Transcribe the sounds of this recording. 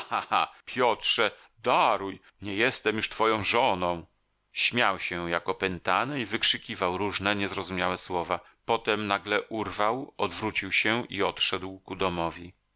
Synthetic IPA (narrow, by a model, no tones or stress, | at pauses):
xahapʰʲjɔtʂɛ | d̪aɾuj | ɲɛjɛst̪ɛmjuʂt̪fɔjɔ̃w̃ʐɔnɔ̃w̃ | ɕmʲjawɕɛjakɔpɛnt̪anɛivɘkʂɘkʲivawɾuʐnɛɲɛzɾɔzumʲjawɛswɔva | pɔt̪ɛmnaɡlɛʔuɾvawɔd̪vɾut͡ɕiwɕɛḭɔt̪ʂɛd̪wkud̪ɔmɔvʲji